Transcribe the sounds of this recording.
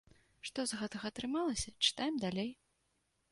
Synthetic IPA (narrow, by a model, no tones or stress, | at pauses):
ʂt̪ɔzɣɛt̪ɐɣɐːt̪ɾɨmalˠɐsʲɐt͡ʂɨ̥t̪ajɛmd̪alʲej